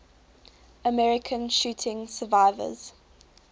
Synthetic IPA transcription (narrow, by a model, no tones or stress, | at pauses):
əmɛɹɪkʰə̃nʃuːtʰɪ̃ŋsəvaɪvə̰z̥